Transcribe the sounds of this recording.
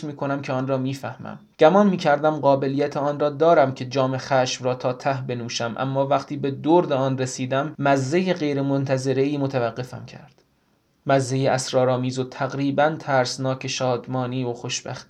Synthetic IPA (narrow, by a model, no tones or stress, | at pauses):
miːkʰonæmcʰeɒːnrɒːmiːfæhmæ̰m | ɟ̥æmɒːnmiːcʰæɾd̪æmɢɒːbe̞lijæt̪ʰeɒːnrɒːd̪ɒːɾæmcʰe̞d͡ʒɒːme̞xæʃmrɒːt̪ʰɒːt̪ʰæhbe̞nuːʃæmʔæ̰mːɒːvæχt̪ʰiːbe̞d̪oɾd̪eɒːnresiːd̪æmːæzːejeɣejɾemont̪ʰæze̞ɾe̞iːmot̪ʰævæɢːe̞fæ̰mcʰæ̰ɾd̪̥ | mæzːe̞jeæsɾɒːɾɒːmiːzot̪ʰæɣɾiːbænt̪ʰæɾsnɒːcʰe̞ʃɒːd̪mɒːniːoxoʃb̥æ̰xt̪i